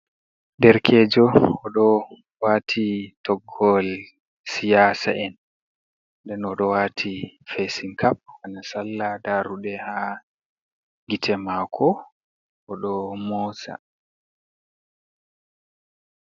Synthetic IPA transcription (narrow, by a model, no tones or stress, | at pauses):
ndɛɾkʰɛːd͡ʒɔɔɗɔ | waːtʰitɔɡːɔl | sijaːsa̰ʔɛn | dɛnɔɗɔwaːtʰifesiŋkʰap̚wanasalːadaːɾuɗɛha | ɡitʰɛmaːkʰɔ | ɔɗɔmɔːsa̰